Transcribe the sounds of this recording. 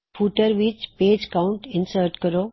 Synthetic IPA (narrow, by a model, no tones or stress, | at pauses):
fʰuːʈəɾʋit͡ʃpeːd͡ʒkaʊ̃ɳʈɪ̃nsəɾʈkəɾoː